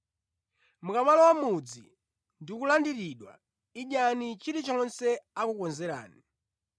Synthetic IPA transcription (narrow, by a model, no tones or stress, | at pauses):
mukaβalɔwamud͡zḭ | ndikulandiɾiɗwa̰ | iɲanit͡ʃiɾit͡ʃɔnsɛakukɔnzɛɾa̰ːni